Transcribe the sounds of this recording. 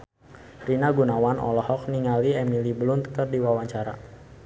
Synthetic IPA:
rinaɡunawanʔɔ̰lɔhɔk̚niŋaliɛmiliblunt̪kərdiwawaɲt͡ʃaɾa̰

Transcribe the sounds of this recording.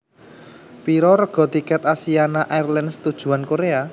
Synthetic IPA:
piɾɔɾəɡ̥ɔ̤t̪ikɛt̪asianaʔajrlansə̥t̪ud̥ʒ̥ṳankoɾea

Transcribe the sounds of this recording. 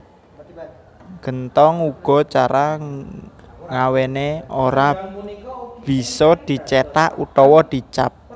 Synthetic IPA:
ɡ̥ə̤nt̪ɔŋuɡ̥ɔ̤t͡ʃaɾa | ŋaweneoɾa | b̥i̤sɔd̪̥i̤t͡ʃet̪aʔut̪ɔwɔd̪̥i̤t͡ʃa̰p̚

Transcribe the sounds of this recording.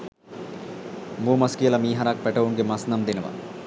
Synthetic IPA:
moːmɐskijəlɐmiːɦɐɾak̚pɛʈɐʋuŋɡemɐsnɐmd̪enɐʋɐ̰n

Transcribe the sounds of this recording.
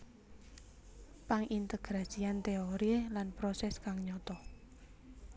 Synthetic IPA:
paŋʔint̪əɡ̥ɾḁsiant̪eoɾilanpɾɔsɛskaŋɲɔt̪ɔ

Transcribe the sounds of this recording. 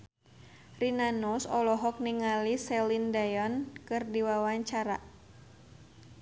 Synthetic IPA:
rinanusɔlɔɦɔk̚niŋalisɛlindajɔnkɨrdiwawaɲt͡ʃaɾa̰

